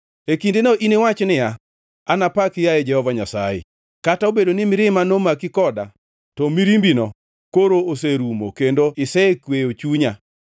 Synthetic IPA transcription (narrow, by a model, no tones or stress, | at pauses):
ekindenoʔinewat͡ʃnɪja | anapakɪjajɛd͡ʒɛhɔvaɲasa̰jɪ̰ | kataobedonɪmɪɾɪmanomakɪkɔda̰ | tɔmiɾimbinɔ | koɾoos̬eɾumo̰kendoɪsɛkwejot͡ʃuɲa